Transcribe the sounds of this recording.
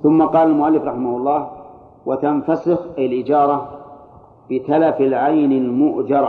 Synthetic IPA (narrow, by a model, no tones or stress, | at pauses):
θʊmːaqɑːlalmʊʔalːɪfɾˤɑħɪmahʊɑlˤːɑːh | wat̪anfasɪxʔajalʔɪd͡ʒɑːɾˤɑ | b̥ɪt̪alafɪlʕajnalmʊʔd͡ʒɑɾˤ